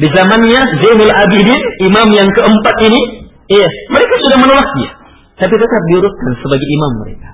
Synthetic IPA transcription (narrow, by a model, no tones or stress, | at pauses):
dizamanɲazanilabidɪnimamjaŋkəəmpat̪ini | ijaməɾekasudahmənolasɲa̰ | t̪ap̬it̪ət̪ap̚diuɾʊt̪̚kansəbaɡaimamːəɾḛkḁ